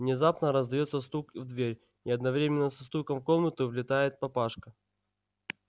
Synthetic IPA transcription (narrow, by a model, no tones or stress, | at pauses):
vnʲɪzapnəɾəzd̪ɐjo̞t̪səst̪ukvd̪vʲeɾʲ | iɐd̪nɐvɾʲemʲɪnːəsɐst̪ukəmko̞nnət̪ɨvlʲɪt̪ajɪt̪̚pɐpaʂkə